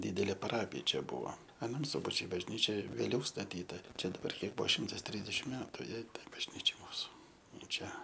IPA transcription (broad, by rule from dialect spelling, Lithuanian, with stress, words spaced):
ˈdʲiːdʲɛlʲeː pɐˈrɑːpʲɪjɛ ˈt͡ʃʲɛ ˈbʊʋoː ɐˈnɐm ˈsʊbɐt͡ʃʲʊɪ bɐʒʲˈnʲiːt͡ʃʲɛ ʋʲeːˈlʲɛʊ stɐˈtʲiːtɐ ˈt͡ʃʲɛ dɐˈbɐr ˈkʲiɛk ˈbʊʋoː ˈʃʲɪmtɐs ˈtʲrʲɪzʲdʲɛʃʲɪm ˈmʲæːtʊ ˈjɛɪ ˈtɐɪ bɐʒʲˈnʲiːt͡ʃʲɛɪ ˈmuːsʊ ˈnʊ ˈt͡ʃʲɛ